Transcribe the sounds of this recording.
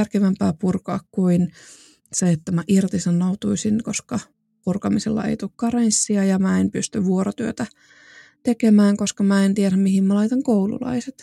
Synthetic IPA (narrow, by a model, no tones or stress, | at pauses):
ærkeʋæmpæːpurkɑːkkuin | seet̪ːæmæʔirt̪isɑnːout̪uisinkoskɑ | purkɑmisḛlːɑ̰ḛijt̪uːkkɑrensːiɑjɑmæenpyst̪yʋʋuoɾot̪yøt̪æ | t̪ekemæːŋkoskɑmæent̪ieɾæmmihimmælɑit̪ɑŋkoulṵlɑ̰iset̪